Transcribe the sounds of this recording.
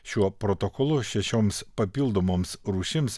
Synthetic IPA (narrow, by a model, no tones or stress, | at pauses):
ʃʲuɔpɾot̪okɔlˠʊʃʲɛʃʲoːmspɐpʲiːlˠd̪omoːmsɾuːʃʲɪms